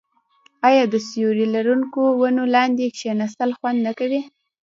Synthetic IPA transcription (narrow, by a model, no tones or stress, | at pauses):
ɑjɑd̪əsjoɾilaɾuŋkowanolɑnd̪ekʃenasəlxwand̪nakawi